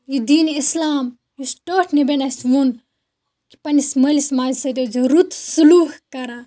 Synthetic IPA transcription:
jud̪iːnislaːm | jusʈoːʈʰnibenasʋun | ki̥pɐnisməlismaːd͡ʒsɐt̪ezɐɾut̪suluːhkɐɾa

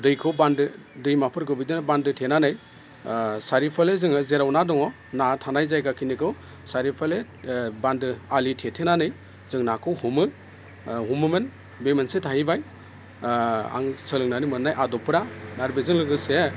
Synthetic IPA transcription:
dɯjkʰɯwbandɯ | dɯjmapʰɯɾɡɯbidɯnbandɯtʰenanɯj | saɾipʰalezɯŋɯzeɾawnadɔŋɔ | natʰanajzajɡakʰinikʰɯw | saɾipʰale | bandɯalitʰetʰenanɯj | zɯŋnakʰɯwhumɯ | ɦumɯmɯn | bemensetʰahibaj | a̰ŋsɯlɯŋnanɯmɯnːajʔadɔpʰɯɾanaɾbezɯŋlɯɡɯse

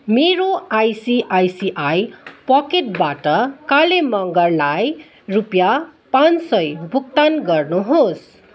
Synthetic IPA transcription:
meɾoajsiʔajsiʔajpʌkeʈbaʈʌkalemʌŋɡʌrlaj | rupjapãnsʌjbʱuk̚t̪anɡʌrnuɦos

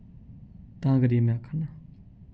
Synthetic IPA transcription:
t̪aŋkəɾemakʰarna

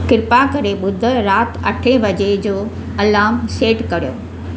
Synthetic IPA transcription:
kɪɾpakɐɾeɓʊd̪ʱə̆ɾaːt̪ʰɐʈʰebɐd͡ʑed͡ʑoː | ɐlaːmseːʈkɐɾijo̰ː

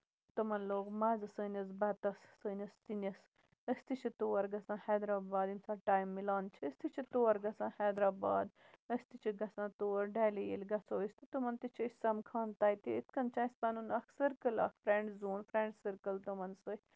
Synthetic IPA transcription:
t̪ɐmɐnloːkmaːzɨsəːnʲɐs̬bɐt̪ɐssəːnʲɐst̪inʲɐs | əst̪it͡ʃʰit̪oːɐɾɡɐsãːhɛːd̪ɾaːbaːd̪insaːʈaːjmːilaːnt͡ʃʰiəst̪ʰit͡ʃʰit̪oːɐɾɡɐsãːhɛːd̪ɾaːba̰ːd̪ | əst̪it͡ʃʰiɡɐsãːt̪oːɐɾɖɛːlijelʲɡɐsoːist̪ɨt̪umɐnt̪it͡ʃʰisɐmkʰaːnt̪aːjt̪iit̪̚ʰkɐnt͡ʃʰaːispɐnunɐkʰsəɾkəlɐkfɾeɳɖzuːnfɾeːɳɖsəɾkəlt̪umɐnsɨ

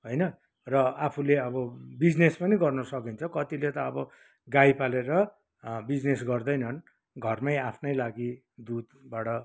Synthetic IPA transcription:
ɦojnʌ | rʌapʰuleʌbʌbid͡znespʌniɡʌrnʌsʌkint͡sʰʌkʌt̪ilet̪ʌːbʌ | ɡajpaleɾʌ | bid͡znesɡʌrd̪ʌjnʌn | ɡʱʌrmajapʰnʌjlaɡi | d̪ud̪baʈʌ

